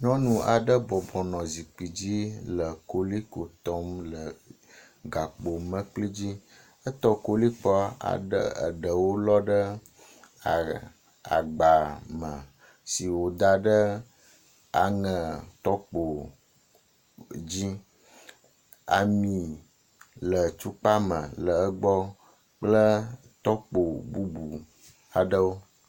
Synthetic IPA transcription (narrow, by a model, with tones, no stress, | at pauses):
nɔ̃˦nũ˨a˨ɖə˦bɔ˨bɔ˨nɔ̃˨zi˨k͡pi˨d͡ʑi˦lə˨ko˦li˦ko˨t̪ɔ˦mlə˨ | ɡa˨k͡po˨mə̃˦k͡pli˦d͡ʑi˦ | ə˦t̪ɔ˦ko˦li˦k͡pɔ˦a̰˨ɖə̰˦ə̰˨ɖə˨wo˦lɔ˦ɖə˦ | a˨ | a̰˨ɡ͡ba˨mə̃˨ | si˨wo˨d̪a˨ɖə˦ | a̰˨ŋə̃˨t̪ɔ˦k͡po˨ | d͡ʑi˦ | a̰˨mĩ˨ | lə˨t͡ʃu˦k͡pa˦mə̰˨lə˨ə˦ɡ͡bɔ˦ | k͡plə˦ | t̪ɔ˦k͡po˨bu˦bu˨ | a˨ɖə˦wo˦